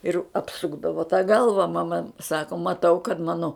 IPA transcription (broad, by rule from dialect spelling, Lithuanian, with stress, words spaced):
ɪr ɐpˈsʊɡdɐʋoː tɐ ˈɡɐlˠʋɐ mɐˈmɐ ˈsɑːkoː mɐˈtɐʊ kɐt ˈmɑːnoː